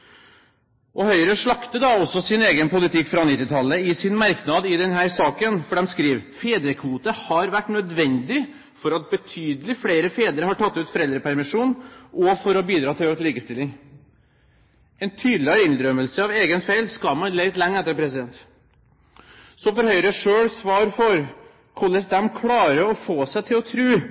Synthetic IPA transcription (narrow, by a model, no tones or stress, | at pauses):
ʔɔhœʏɾəʂɭɑkt̪əd̪ɑɔsːɔsɪneːɡənpʊlɪt̪ʰɪkːfɾɑnɪt̪ːɪt̪ʰɑlːəɪsɪnmɑɾknɑd̪ɪd̪ɛnɦæːɾsɑːkənfɔɖɛmskɾiːʋfeːd̪ɾəkʰʋuːt̪əhɑɾʋæʈːnœd̪ʋɛnd̪ɪ | fɔɾɑt̪̚bət̪ʰyːd̪əlɪfleːɾəfeːd̪əɾəhɑʈʰɑt̪ːʉːt̪fɔɾɛld̪ɾəpʰæɾmɪʂuːnʔɔfɔɾɔbiːd̪ɾɑːt̪ɪløːkt̪liːkəst̪ɪlːɪŋ | ɛnt̪ʰyːd̪lɪɑɾɪnd̪ɾœməlsəɑʋeːɡənfeɪlskɑmɑnlɛɪt̪lɛŋːɛt̪ːəɾpʰɾɛsɪd̪ɛnt̪ | sɔfɔɾhœʏɾəʂøːɽsʋɑːɾfɔɾ | kʰɔlːəsd̪ɛmkʰlɑːɾəɔfoːsæɪt̪ʰɪlɔt̪ʰɾʉː